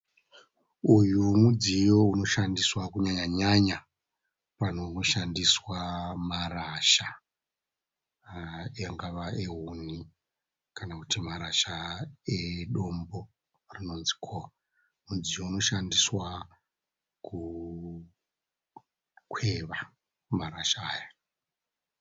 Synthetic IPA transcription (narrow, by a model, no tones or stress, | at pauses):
ujumud͡zijo̞uno̞ʃandiswakuɲaɲaɲaɲa | pan̤ooʃandiswamaraʃa | jaŋɡaʋaeɦuni | kanakutimaɾaʃaeɗo̞mbo̞ | rino̞nzi̥kʰoa | munzijouno̞ʃandiswa | ku | kwe̞ʋa | maɾaʃaːja